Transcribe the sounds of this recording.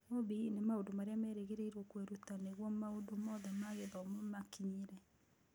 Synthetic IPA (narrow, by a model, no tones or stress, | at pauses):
obinemaodomaɾeamɛɾeɣeɾeiɾɔkweɾutaneɣwɔmaodomɔːðɛmaɣebaomomakiɲeɾɛ